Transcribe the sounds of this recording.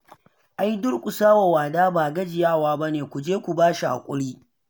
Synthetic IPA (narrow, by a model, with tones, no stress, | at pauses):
ʔa˦jdʊ˦ɽkʷʼʊ˨saː˦wa˨waː˨daː˦baː˨ɡɐ˦d͡ʒɪ˨jaː˦waː˦bɐ˦neː˨kʷu˨d͡ʒeː˦kʷu˨baː˦ʃa˨ʔa̰˨kʷʼʊ̰˦ɽiː˦